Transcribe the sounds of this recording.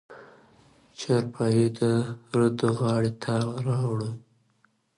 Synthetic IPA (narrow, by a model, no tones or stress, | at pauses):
t͡ʃaɾpʰɑjed̪əɾəd̪oɣɑɽet̪ʰɑwɾɑwɽə